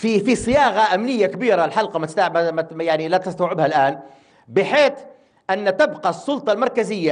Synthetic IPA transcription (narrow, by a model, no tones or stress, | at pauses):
fifisˤɨjɑːɣaʔamnɪjːakbiːɾalħɑlqɑmat̪st̪mmjaʕnilæt̪ɪst̪awʕɪbhalʔaːn | bɪħeːt̪ | ʔanːt̪ɪbqɑsˤːʊlt̪ˤɑlmɑɾˤkazɪjːa